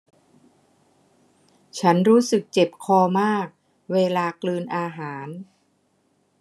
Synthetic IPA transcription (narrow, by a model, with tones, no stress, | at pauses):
t͡ɕʰa˦˥nɾuː˦˥sɯ˨˩k̚t͡ɕe˨˩p̚kʰɔː˧maː˥˩k̚ | weː˧laː˧klɯː˧nʔaː˧ɦaː˩˦n